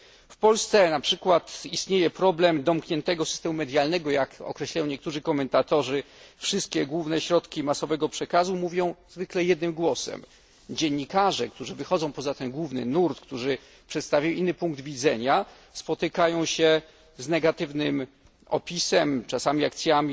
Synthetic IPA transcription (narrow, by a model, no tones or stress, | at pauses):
fpɔlst̪sɛnapʂɘkwat̪ist̪ɲejɛpɾɔblɛmd̪ɔmkɲɛnt̪ɛɡɔsɨ̥st̪ɛmumɛd̪ʲjalnɛɡɔjakɔ̰kɾɛɕlajɔ̃w̃ɲɛkt̪uʐɘkɔmɛnt̪at̪ɔʐɘfʂɘst̪̚kʲɛɡwuvnɛɕɾɔt̪kʲimasɔvɛɡɔpʂɛkazumuvʲjɔ̃w̃z̥vɘklɛjɛd̪̚nɘmɡwɔsɛ̰m | d͡ʑeɲːikaʐɛkt̪uʐɘvɘxɔd̪zɔ̃w̃pɔzat̪ɛnɡwuvnɘ̰nuɾt̪kt̪uʐɘ | pʂɛt̪st̪avʲajinːɘpuŋɡ̚d̪vʲid̪zɛɲa | spɔt̪ɪkajɔ̃w̃ɕɛ | znɛɡat̪ɘvnɘm | ɔ̰pʲisɛmt͡ʂasamʲiak̚t̪sʲjamʲi